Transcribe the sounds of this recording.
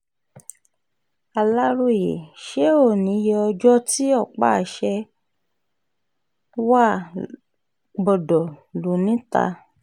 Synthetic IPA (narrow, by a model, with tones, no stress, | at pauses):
a˧la˦ɾo˧˨jḛ˨ʃe˦o˦˨nĩ˨˦jɛ˧ɔ˧d͡ʒɔ˦ti˦ɔ˦˨k͡pa̰˦˨ʃɛ˧ | wa˦˨ | ɡ͡bɔ˨dɔ˨lo˨nĩ˨˦ta̰˧˦